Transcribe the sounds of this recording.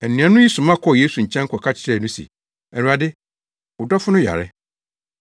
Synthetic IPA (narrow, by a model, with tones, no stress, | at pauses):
ɛ˨nːĩ˨˦ã˦nʊ̃˦ji˦sʊ̃˨mã˦kʰɔ˦˨je˦su˨ɲ̩˨t͡ɕʰɛ̃˦ŋ˦kʰɔ˨kʰa˦t͡ɕʰɪ̥˨ɾɛ˦˨nʊ̃˦sḭ˨ | ɛ˨ɾu˨a˨dɪ˦ | ʊ˨dɔ˦fʊ˦nʊ̃˦ja̰˨ɾɪ̰˦